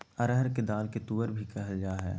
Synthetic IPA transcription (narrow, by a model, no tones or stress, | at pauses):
ɐɾəɦəɾked̪aːlket̪uːəɾbʱikɛɦəld͡ʒaːɦɛ̰ː